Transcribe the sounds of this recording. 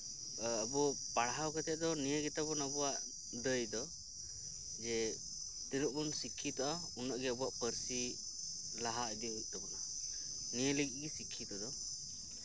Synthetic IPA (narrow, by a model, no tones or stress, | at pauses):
əbɔpaɽɦawkɛt̪ɛd̪ɔnijəɡɛt̪abɔnabɔwaʔ | d̪əjd̪ɔ | d͡ʒɛ | t̪ɛnuʔbɔnsikʰːit̪aʔa | unːəʔɡɛəbɔaʔpəɾsi | laɦaid̪iŋɦik̚ˀd̪ɔbɔna | nijələɡiʔɡɛsikʰːit̪ad̪ɔ